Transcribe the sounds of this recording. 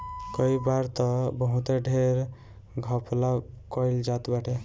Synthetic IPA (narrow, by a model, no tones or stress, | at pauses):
kəibaɾt̪ɔbəɦũt̪eɖʱeɾ | ɡʱəpla | kɔjld͡ʒat̪baʈʰe